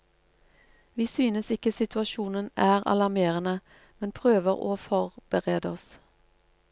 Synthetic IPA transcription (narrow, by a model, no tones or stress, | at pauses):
ʋiːsyːnəsɪkəsɪt̪ʉɑʃuːnənæːʁɑ̰lɑʁmeːʁənə | mɛnpʰʁøːʋəʁo̰ːfɔʁb̥əʁeːd̪əɔs